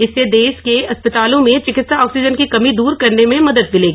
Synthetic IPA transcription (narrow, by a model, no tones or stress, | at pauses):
ɪsːed̪eːʃkeɐspət̪aːlõmẽt͡ʃɪkɪt̪saɔːksid͡ʒənkikɐmid̪uːɾkɐɾnemẽmɐd̪əd̪̚mɪleːɡi